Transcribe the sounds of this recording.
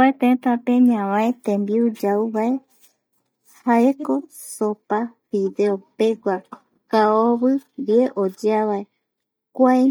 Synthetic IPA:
aet̪ẽt̪apẽɲãwãet̪ẽmbiud͡ʒauβae | haeko̞ | sopafiðeopeɡʷa | kaoβɨβieʔod͡ʒaβae | kʷae

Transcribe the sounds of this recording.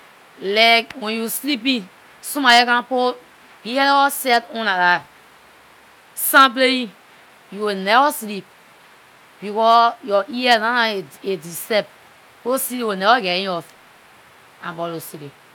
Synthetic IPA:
lɛkwɛ̃njuslip̬ĩ | sũmajɛkãpo | biɛlɛɔsɛtɔ̃naɾa | sãmp̬lei | juwenɛvaslip̚ | bikɔjɔʔiɛnanaedisɛp̚ | kosiwenɛvaɡɛɾĩɔf | ãmbɔlosike

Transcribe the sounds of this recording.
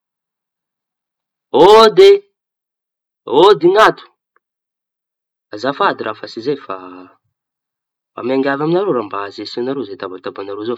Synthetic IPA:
od̪e | od̪iŋat̪u̥ | azafad̪iɾʔafasizejfa | fa̰maŋɡʲavaminaɾoɾambaazesinaɾozet̪abat̪abanaɾozo

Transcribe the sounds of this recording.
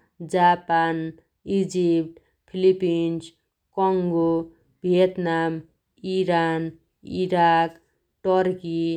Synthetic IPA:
d͡ʒapan | id͡ʒipʈ | pʰilipins | kɔŋɡo | bʱijet̪nam | iɾan | ḭɾak | ʈɔɾki

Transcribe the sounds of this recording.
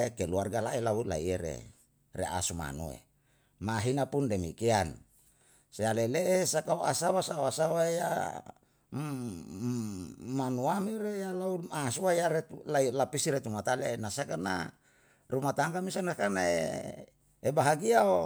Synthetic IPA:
ekeluarɡalailaula̰ieɾḛ | rea̰suma̰nṵḛ | maɦinapundemikean | sealeleʔesakaoʔasawasaoasawaeja̰ | manuamiɾejalauasuaaɾet̪lailapisiɾet̪umat̪alenasakarna̰ | rumat̪aŋkamisanakanaḛ | ebaɦaɡiao

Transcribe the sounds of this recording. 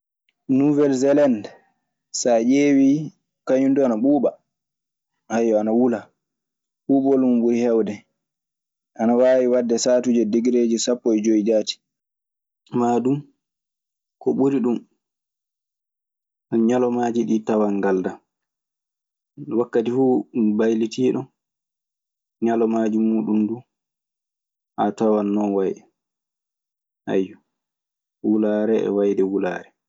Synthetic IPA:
nuvɛlzɛland | sajeːwi | kaɲunduanaɓuːɓa | ʔajːɔanawula | ɓuːɓɔlumɓuɾihɛwdɛ | ʔanawaːwiwadːɛsaːtud͡ʒɛdiɡɾed͡ʒisapːɔɛd͡ʒoid͡ʒaːti̥ | maːdum | kɔɓuɾiɗum | ɔɲalɔmaːd͡ʒiɗiːtawaŋɡalda | wakːatifuːbajlitiːɗɔn | ɲalɔmaːd͡ʒimuːɗumdu | ʔatawanːɔnwajɗɛ | ha̰jːu | wulaɾɛɛ̰wajdɛwula̰ːɾɛ

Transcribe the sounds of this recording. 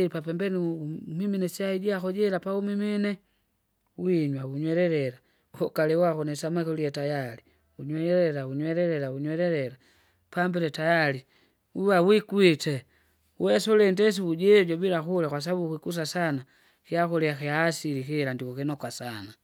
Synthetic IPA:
ipapɛmbɛnimiminɛsiahiɟiakɔɟɛɾapaumiminɛ | wiɲwauɲwɛɾɛɾɛɾa | uhɔkalɛwakɔnɛsamakɔliɛtajali | uɲwɛɾɛɾauɲwɛɾɛɾɛlauɲwɛɾɛɾɛɾa | pambɛlɛtajali | uwawikwitɛ | wwɛsɔlɛndɛs̬iuɟɛɟɔbilaxulakwas̬abukikus̬asana | kiakɔliakiaːsilikilandikɔkinɔkwasana

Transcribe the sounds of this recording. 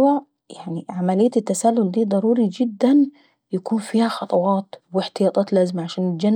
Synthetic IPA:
wa | jaʕniʕamælɪjːat̪ɪt̪ːasælːʊld̪iːd̪ˤɑɾˤuːɾid͡ʒɪd̪ːan | jakuːnfiːhaxɑt̪ˤɑwɑːt̪wɪħt̪ɪjɑːt̪ˤɑːt̪læːzɪmaʕaʃæːnɪld͡ʒæn

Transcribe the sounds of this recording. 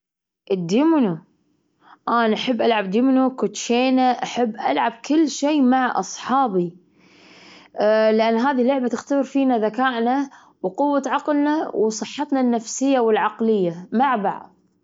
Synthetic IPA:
ʔɪd̪ɪmnu | ʔaːnaʔaħabːʔalʕab̚d̪ɪmnukʊt̪ːʃeːnaʔaħɪbːʔa̰lʕab̚kɪlːʃeːmaʕʔɑsˤħɑːbi | lɪʔanːɦaːðilːʊʕbat̪ɪxt̪abɪɾfiːnaðakaːʔna | wqʊwːaʕɑqlnawsˤɨħːɑt̪nanːafsɪjːawɪlʕɑqlɪjːamaʕba̰ʕð

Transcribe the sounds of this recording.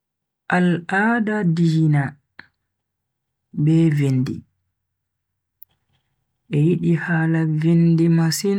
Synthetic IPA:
ʔalaːdadijina | bɛvenːdḭ | ʔɛjiɗihaːlavendimasin

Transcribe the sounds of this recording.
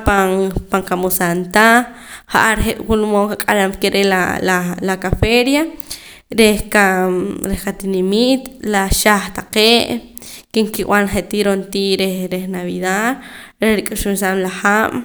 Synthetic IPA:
paŋpaŋkamusant̪aχaʔaɾχeʔwulumokakʼalamkeɾelalalakafeɾja | ɾehkaɾehkat̪inimit̪laʃaχt̪aqeːʔ | keŋkiʔw̰anχeʔt̪iːɾont̪iːʔɾeɾehnaβiðaðɾeɾikʼuʃumsamlaχaːm

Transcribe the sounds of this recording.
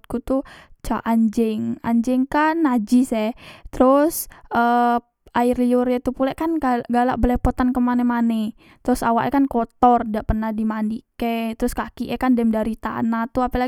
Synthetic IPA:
kut̪ut͡ʃaʔaɲd͡ʒɛŋa̰ɲd͡ʒɛŋkanːad͡ʒɪsɛt̪əɾʊsʔə | ʔaɪrliʊɾjat̪upulɛʔkanaɡala̰ʔbəlepot̪ankəmanɛmanɛ | t̪əɾʊsawaʔɛkankot̪ɔrdaʔpərnahdimandiket̪əɾʊskakiʔɛkandɛmdaɾit̪a̰nat̪uapala

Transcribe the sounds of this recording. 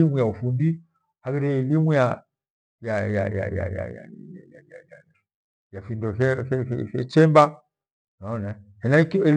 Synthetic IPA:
imujaufundi | hakɛɾɛɛlimuja | jaja̰ja̰ja̰ja̰ja̰jajaja | jafindɔɛɛɛ̰fɛt͡ʃɛmba | naɔnahɛnakɛl

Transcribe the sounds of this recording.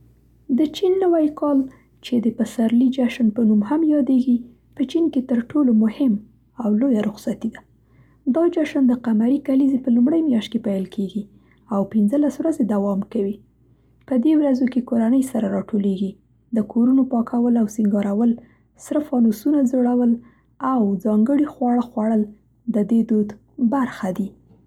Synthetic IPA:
d̪ət͡ʃinːəwajkɑl | t͡ʃed̪əpasaɾlid͡ʒaʃnpənumhamjɑd̪eɡi | pət͡ʃinket̪əɾʈolomʊhɪm | awlojaɾʊxsat̪id̪a | d̪ɑd͡ʒaʃand̪əqamaɾikalizepəlumɽəjmjɑʃt̪̚kepajlkʰeɡi | awpɪnzəlaswɾazed̪awɑmkawi | pəd̪ewɾazokekoɾanəjsaɾaɾɑʈoleɡi | d̪əkoɾunopɑkʰawəlawsiŋɡɑɾawəl | sɾəfɑnusunazoɽawəl | awd͡zɑŋɡəɽixwɑɽəxwɑɽəl | d̪əd̪ed̪od̪ | baɾxad̪i

